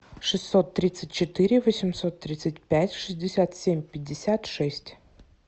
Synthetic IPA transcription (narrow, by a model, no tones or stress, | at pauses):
ʂɨsːot̪ːɾʲit̪sɨtʲt͡ɕɪt̪ɨɾʲɪvosʲɪmsot̪ːɾʲit̪sət̚ʲpʲætʲʂɨzʲdʲɪsʲat̪sʲemʲpʲɪd̚ʲːɪsʲat̪ʂɛsʲtʲ